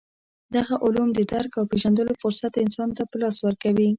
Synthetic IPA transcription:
d̪aɣaʔʊlumd̪əd̪aɾkawpeʒand̪əlofʊɾsat̪ɪnsɑnt̪apəlɑswəɾkawi

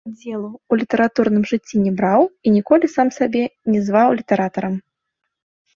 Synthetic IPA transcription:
d͡zʲːɛlˠuːlʲit̪ɐɾat̪uɾnɨmʐɨt͡sʲːinʲɛbɾawinʲikɔlʲisamsabʲɛnʲɛzvawlʲit̪ɐɾat̪ɐɾɐm

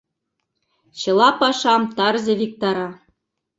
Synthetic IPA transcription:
ɕɤ̆lˠɑpɑʂɑmt̪ɑrzĕʋʲik̚t̪ɑɾɑ

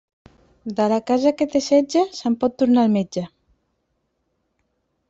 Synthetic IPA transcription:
d̪alakazaket̪esɛd͡ʒasampɔt̪ːuɾnalmed͡ʒa

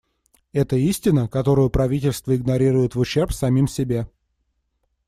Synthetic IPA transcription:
ɛt̪əisʲtʲɪnəkɐt̪o̞ɾʊjʊpɾɐvʲitʲɪlʲst̪vəɪɡnɐɾʲiɾʊjɪt̪vʊɕːerpsɐmʲimsʲɪbʲe

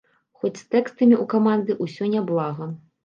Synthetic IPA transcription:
xɔt͡sʲst̪ɛkst̪ɐmʲiukamand̪ɨʔusʲɔnʲablˠaɣɐ

